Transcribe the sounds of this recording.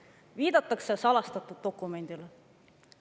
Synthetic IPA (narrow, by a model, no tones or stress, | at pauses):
viːd̪̥ɑt̪ːˑɑksesɑlɑst̪ɑt̪ːˑud̪̚d̪o̞kːˑume̞nd̪̥il